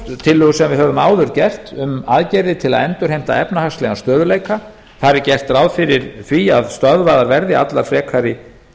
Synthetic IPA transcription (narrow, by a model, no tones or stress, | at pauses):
t̪ʰɪlːʏɣʏsɛmvɪðhœːvʏmaːwðʏɾcɛr̥t̪ʏmaːðcɛɾðɪt̪ʰɪla̰ðɛnt̪ʏɾ̥ejm̥t̪a̰ɛpnahast̪lɛɣast̪œːðʏleːjka | θaɾɪɾcɛr̥t̪ɾaːwðfɪɾɪɾ̥θviaðst̪œðvaːðaɾvɛɾðɪa̰t̪laɾfɾɛːkʰvaɾɪ